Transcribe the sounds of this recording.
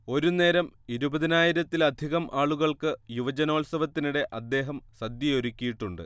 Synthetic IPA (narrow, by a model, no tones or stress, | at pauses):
o̞ɾune̞ːɾɐmiɾubɐðinaːjiɾɐt̪ːilɐd̪ʱiɣɐmʔaːɭuɣɐɭkɨjuʋɐd͡ʑɐno̞ːɭsɐʋɐt̪ːinuɽe̞ʔɐd̪ːe̞ːɦɐmsɐd̪jɐo̞ɾukʲːijiʈːuɳɖɨ̰